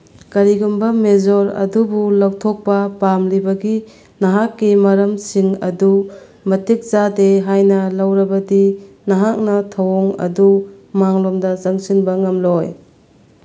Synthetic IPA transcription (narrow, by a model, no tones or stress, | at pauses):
kɐɾiɡumbɐmezoɾɐ̰dubulawtʰok̚pɐpamlibɐɡi | nɐɦakːimɐɾɐmsiŋɐ̰du | mɐtik̚zadeɦajnɐlɐwɾɐbɐdi | nɐɦak̚nɐtʰɐwɔŋɐ̰dumaŋlomdɐzɐŋsinbɐŋɐmloj